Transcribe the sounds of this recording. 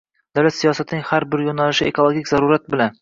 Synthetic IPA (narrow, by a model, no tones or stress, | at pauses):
d̪̥alat̪sijɒsat̪nɪŋʲhaɾbɪɾjonalɪʃɪekʰolˠoɡʲikʲzaɾuɾat̪̚bɪlan